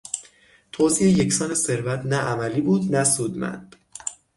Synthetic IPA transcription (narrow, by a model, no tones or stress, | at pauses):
t̪ʰoːziːeje̞csɒːnese̞ɾvæt̪ʰnæʔæmæliːbuːd̪næsuːd̪mæ̰nd̪̥